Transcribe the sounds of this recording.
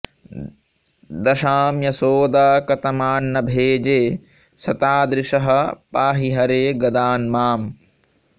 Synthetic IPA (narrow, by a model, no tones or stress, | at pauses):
d̪ɐʃaːmjɐsoːd̪aːkɐt̪ɐmaːnːɐbʱeːd͡ʒeː | sɐt̪aːd̪ɾɪʂɐɦɐ̆paːɦiɦɐɾeːɡɐd̪aːnmaːm